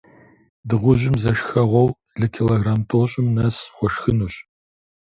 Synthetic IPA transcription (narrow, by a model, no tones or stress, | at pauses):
dɨʁʷʊʑɪmzɐʃxɐʁʷɔw | ɮɨkʰiloɣraːmtʰʼoːɕʼɪmnɐsχʷɔʃxɨnuːɕ